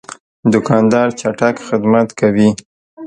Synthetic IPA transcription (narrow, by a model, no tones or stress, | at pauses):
d̪ʊkɑnd̪ɑɾt͡ʃaʈakxɪd̪mat̪kʰawi